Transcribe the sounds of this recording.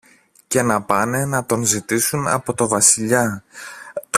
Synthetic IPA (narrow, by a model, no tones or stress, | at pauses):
ce̞nɐpɐne̞nɐt̪o̞nzit̪isunɐ̰po̞t̪o̞vɐsiʎɐ